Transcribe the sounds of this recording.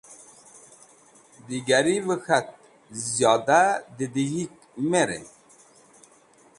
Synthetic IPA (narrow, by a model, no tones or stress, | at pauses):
d̪iɡæɾivəxæt̪̚ | zjɑːd̪ad̪id̪ihik̚ | meɾḛn